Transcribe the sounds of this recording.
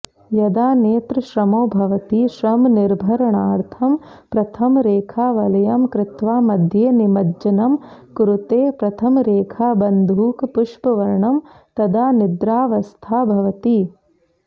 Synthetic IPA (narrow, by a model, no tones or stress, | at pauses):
jɐd̪aːneːt̪ɾɐʃɾɐmoːbʱɐʋɐt̪iʃɾɐmniɾbʱɐɾɐɳaːɾt̪ʰɐm | pɾɐt̪ʰɐmɾeːkʰaːʋɐlɐjɐmkɾɪt̪ʋaːmɐd̪ʱjeːnimɐd͡ʒɐnɐmkuɾut̪eːpɾɐt̪ʰɐmɾeːkʰaːbɐnd̪ʱuːkpuʃpɐʋɐɾɳɐm | t̪ɐd̪aːnid̪ɾaːʋɐst̪ʰaːbʱɐʋɐt̪i